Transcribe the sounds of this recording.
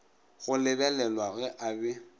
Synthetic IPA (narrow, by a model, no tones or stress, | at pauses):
ɣʊlɪbɛlɛlwaɣɛʔabɪ